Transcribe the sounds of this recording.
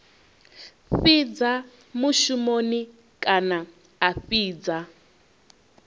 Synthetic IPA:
ɸid͡za | muʃumoni | kʼana | aɸiːd͡za

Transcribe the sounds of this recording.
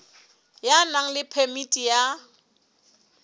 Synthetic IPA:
janaŋ̩lɪpʰɛmitʼija

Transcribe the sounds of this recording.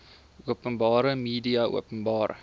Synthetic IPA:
uəpənbɑːɾəmiːdiɐʔṵəpənbɑːr

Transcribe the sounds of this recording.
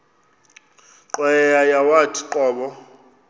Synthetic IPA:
ǃwɛjajawatʰʼi̥ǃɔːɓɔ

